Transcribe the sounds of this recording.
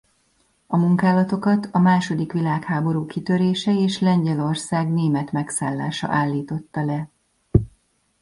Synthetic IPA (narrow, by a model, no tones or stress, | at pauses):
ɒmuŋkaːlɒt̪o̞kɒt̪ɒmaːʃo̞d̪ikʋilaːkhaːbo̞ɾuːkit̪ø̞ɾeːʃɛeːʃlɛɲɟɛlo̞rsaːɡneːmɛt̪mɛksaːlːaːʃɒ̰ʔaːlːiːt̪o̞t̪ːɒlɛ